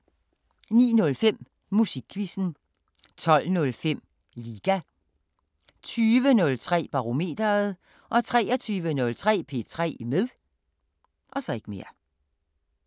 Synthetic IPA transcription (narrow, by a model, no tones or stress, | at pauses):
nḭːnɔ̽lfem̰ | musiɡ̥̚kʰːʋisn̩ | t͡sʰɒ̽l̰nɔ̽lfem̰ | liːɡ̥æ | t͡sʰyːʋənɔ̽lt͡sʰʁɛ̰ːb̥ɑ̈ʁo̝me̝̰ːd̥ɐð̩ˠ | ʔɒ̽t͡sʰʁɛːɒt͡sʰyːʋənɔ̽lt͡sʰʁɛ̰ːpʰe̝̰t͡sʰʁɛ̰ːmeðˠ | ʔɒ̽sɒ̽e̝ɡ̥əme̝ːɐ